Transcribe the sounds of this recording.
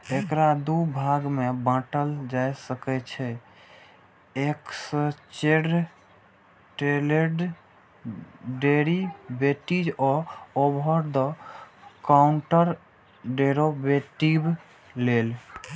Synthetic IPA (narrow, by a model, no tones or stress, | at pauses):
ekɾad̪ubʱaɡmebə̃ʈəld͡ʒajsəkɛt͡ʃʰɛ | eksə̃t͡ʃeɖ | ʈeleɖ | ɖeɾibeʈid͡ʒɔobʱəɾd̪ə | kauɳʈəɾ | ɖeɾobeʈib | lel